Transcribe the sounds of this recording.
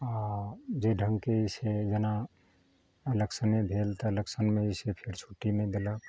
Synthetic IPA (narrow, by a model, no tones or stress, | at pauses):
ad͡ʒeɖʱə̃ŋɡkeised͡ʒəna | ələksənmẽbʱelt̪ɔləksənmẽisepʰeɾt͡ʃʰuʈːimẽd̪elə